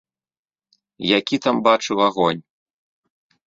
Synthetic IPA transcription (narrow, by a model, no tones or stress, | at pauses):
jakʲit̪ambat͡ʂɨwaɣɔnʲ